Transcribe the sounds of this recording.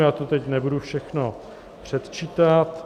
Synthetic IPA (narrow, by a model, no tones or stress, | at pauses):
jaːt̪ot̪ɛcnɛbudufʃɛxno | pr̝̥ɛt̪t͡ʃiːt̪at̪